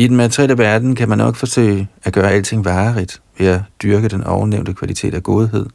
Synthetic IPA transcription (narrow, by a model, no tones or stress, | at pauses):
idnmæt͡sʰʁieləʋæɐd̥n̩kʰæmænːɒ̽ɡ̥fɒ̽sø̰ːɪæɡ̥ɶːɐæl̰t͡sʰe̝ŋ̰ʋɑ̈ːʁid̥ʋe̝jɑ̈d̥yɐɡ̥əd̥enɒʊneʊ̰nd̥əkʰʋælit͡sʰe̝̰ːd̥æɡ̥o̝ð̞ˠɦe̝ð̞̰ˠ